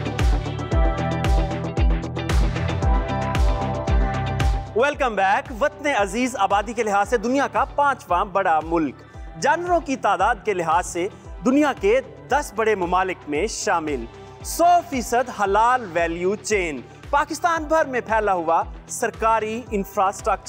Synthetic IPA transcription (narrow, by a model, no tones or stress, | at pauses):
ʋɛlkə̃mbɛːkʋɐt̪neɐziːzaːbaːd̪ikelɪɦaːzsed̪ʊnijakapãːt͡ʃʋãbɐɽamʊlk | d͡ʒaːnəɾõkit̪aːd̪aːd̪̚kelɪɦaːzse | d̪ʊnijake | d̪ɐsbɐɽemʊmaːlɪkmẽʃaːmɪl | sɔːfiːsəd̪ɦɐlaːlʋɛːljut͡ʃeːn | paːkɪst̪aːnbʱɐɾmẽpʰɛːlaɦʊasɐɾkaːɾiɪ̃nfɾaːsʈɾək̚t͡ʃəɾ